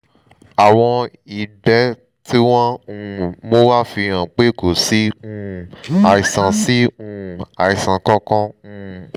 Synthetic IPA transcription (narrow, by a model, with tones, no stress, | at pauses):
a˨w̃ɔ̃˧ | i˨dɛ˦ | ti˦w̃ɔ̃˦ũ˧˨mo˦wa˦fi˧ã˨k͡pe˦ko˨si˨˦ũ˦˧˦a˧i˨sã˧si˦ũ˧˨a˨i˨sã˨˧kɔ̃˦kɔ̃˦ũ˧˨